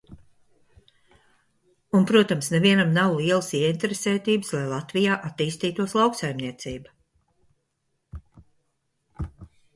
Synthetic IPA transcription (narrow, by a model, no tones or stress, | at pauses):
unpɾuɔt̪amsnɛviɛnamnawlˠiɛlˠəsiɛint̪eɾeseːt̪iːbɨslˠajlˠat̪vijaːʔat̪iːst̪iːt̪uɔslˠawksajmniɛt̪siːba